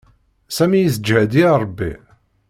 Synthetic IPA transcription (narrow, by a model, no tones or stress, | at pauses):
sæmijəsd͡ʒhæd̪iɾˤəbːḭ